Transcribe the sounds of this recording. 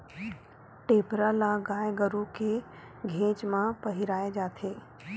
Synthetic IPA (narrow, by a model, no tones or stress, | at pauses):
ʈeːpɾalaɡaːjɡəɾuke | ɡʱẽːt͡ʃmãpɐɦiɾaːed͡ʒaːt̪ʰeː